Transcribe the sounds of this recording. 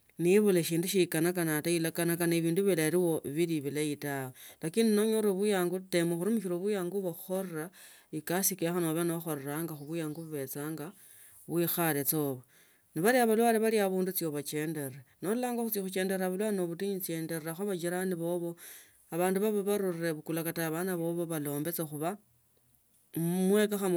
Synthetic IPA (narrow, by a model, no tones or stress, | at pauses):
niβuleʃiːnduʃikanakanatailakanakanaβiːnduβilaeɾiwo̞βiliβilaitawelakiːndinoɲoɾoβujaːŋɡutemoxuɾimuʃiɾoβujaːŋɡuβoxo̞rera | ikasikexanoβenoxo̞ɾeɾaŋɡaxuβujaːŋɡuβuβe̞t͡saːŋɡa | βwixale̞t͡so̞ːβa | niβaɾiaβalwaleβaɾiaβuːndut͡sjoβat͡ʃe̞ːnde̞renolulaːŋɡaxut͡sixut͡ʃe̞ːnde̞ɾaβalwano̞βutiɲit͡se̞ːnde̞raxoβat͡ʃiɾaniβo̞βo̞ | aβaːnduβaβoβaɾurre̞βukulakataβanaβo̞βo̞βalo̞ːmbe̞t͡sexuβa | mwe̞kaxa